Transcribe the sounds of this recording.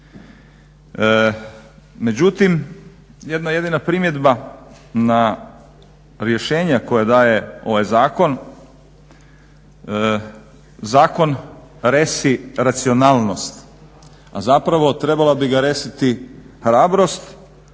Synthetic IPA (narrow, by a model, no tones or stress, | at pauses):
me̞d͡ʑut̪im | jed̪naje̞d̪inapɾimje̞d̪ba | na | ɾje̞ʃe̞ːɲako̞jad̪aːje̞o̞ʋajzaːko̞n | zaːko̞nɾesiɾat̪sio̞naːlˠno̞st̪ | a̰zapɾaʋo̞t̪ɾe̞balabiɡaɾe̞sit̪ixɾaːbɾo̞st̪